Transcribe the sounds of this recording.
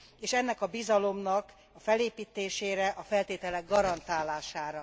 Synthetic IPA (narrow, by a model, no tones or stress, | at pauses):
eːʃɛnːɛkɒbizɒlo̞mnɒk | ɒfɛleːpiːt̪eːʃeːɾɛʔɒfɛlt̪eːt̪ɛlɛɡɡɒɾɒnt̪aːlaːʃaːɾɒ